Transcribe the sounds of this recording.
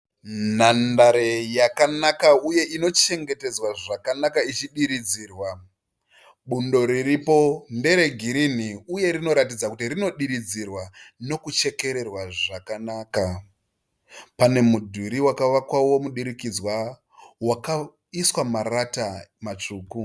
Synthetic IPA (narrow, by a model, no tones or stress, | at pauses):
nandaɾejakanakauje̞ʔino̞t͡ʃe̞ŋɡe̞te̞d͡zwaʐakanakait͡ʃiɗiɾid͡ziːrwa | ɓundo̞ɾiripo̞nde̞ɾe̞ɡʱiɾiniuje̞ɾino̞ɾat̬id͡zakutirino̞ɗiɾid͡zirwano̞kut͡ʃe̞ke̞ɾe̞rwaʐakanaːka | pane̞mudʱiɾiwakaʋakwawo̞muɗiɾikid͡zwa | waka | iswamaratamat͡ʂuːku